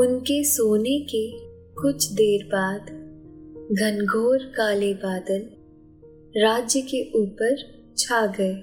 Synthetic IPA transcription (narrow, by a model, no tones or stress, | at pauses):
ʊnkesoːneke | kʊt͡ʃʰd̪eːɾbaːd̪ | ɡʱɐnɡʱoːɾkaːlebaːd̪əl | ɾaːd͡ʒjəkeʔuːpəɾ | t͡ʃʰaːɡɐeː